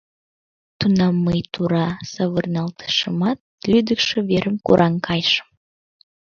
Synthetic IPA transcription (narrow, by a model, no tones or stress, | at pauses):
t̪unɑmːəjt̪uɾɑsɑβərnɑlt̪ə̥ʃəmɑt̪̚lyd̪əkʃeβeɾʔəmkṵɾʔɑŋkʰɑjʃə̥m